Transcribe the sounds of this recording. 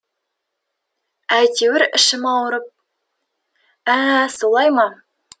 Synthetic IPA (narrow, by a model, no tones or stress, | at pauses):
æjt̪ʲewɘɾɘ̰̆ʃɘmɑwɾɤp̚ | æsolˠɑjmɑ